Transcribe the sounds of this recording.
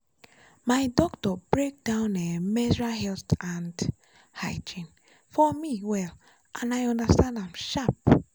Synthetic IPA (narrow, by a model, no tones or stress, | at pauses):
maɪdɔktɔbɹek̚dãʊ̃nɛmɛzɹaɦɛltãnd | haɪd͡ʒĩn | fɔmiwɛl | ʔãnaɪɔ̃ndastãndãmʃap̚